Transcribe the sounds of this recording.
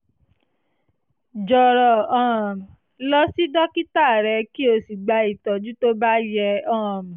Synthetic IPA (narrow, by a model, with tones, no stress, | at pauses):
d͡ʒɔ˨ɾɔ˨ɔ̃˦˨m˨ | lɔ˦si˦dɔ˦ki˦ta˦˨ɾɛ˧˦ki˦o˧si˨ɡ͡ba˧˦i˨tɔ˨d͡ʒu˦to˦ba˦jɛ˧ɔ̃ː˦˨m̃˨